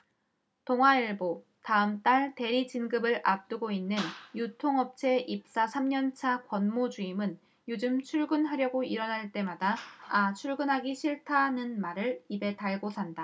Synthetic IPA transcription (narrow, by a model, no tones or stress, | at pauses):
toŋwaiɭbo | taɯmt͈aɭte̞ɾid͡ʑinɡɯbɯɭʔap̚t͈ɯɡoinːɯnjutʰoŋʌp̚t͡ɕʰe̞ʔip̚s͈asʰamɲʌnt͡ɕʰakwʌnmod͡ʑuimɯn | jod͡ʑɯmt͡ɕʰuɭɡɯnɦaɾjʌɡoiɾʌnɦaɭt͈e̞madaːt͡ɕʰuɭɡɯnɦaɡiɕʰiɭtʰanɯnmaɾɯɭibe̞taɭɡosʰanda